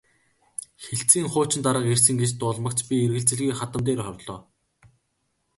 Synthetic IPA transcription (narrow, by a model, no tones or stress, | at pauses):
xeɬt͡siːŋχʊːt͡ɕɪ̆nt̪aɾə̆qersɘ̆ŋɡet͡ɕt̪ʊːɮmə̆kt͡ɕpʲierɣɘ̆ɮt͡sɘ̆ɮɣiːχat̪ə̆mt̪eːɾχɔrɮɔː